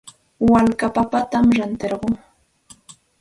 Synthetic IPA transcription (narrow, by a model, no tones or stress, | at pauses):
walkapapat̪amɾant̪eɾɢoŋ